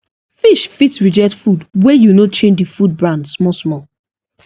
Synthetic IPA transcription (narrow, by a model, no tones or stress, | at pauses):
fiʃfitɹid͡ʒɛtfudwɛjunot͡ʃẽnd͡ʒdifud̚bɹãndsmɔsmɔ